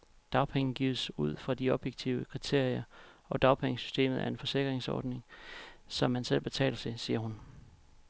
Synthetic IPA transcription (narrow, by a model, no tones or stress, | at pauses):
d̥ɑ̈ʊpʰeŋn̩ɡ̥ḭːðˠəsuð̞̰ˠfʁɑ̈d̥iɒ̽b̥jeɡ̥t͡sʰiʊəkʰʁit͡sʰe̝ɐ̰iɐ | ɒ̽d̥ɑ̈ʊpʰeŋəsy̥sd̥e̝̰ːmð̞̩ˠæɐe̝nfɒ̽se̝ɡ̥ʁeŋsɒ̰ːd̥ne̝ŋsɒ̽mːænsel̰b̥e̝t͡sʰɛ̰ːlɐt͡sʰe̝siːɐɦun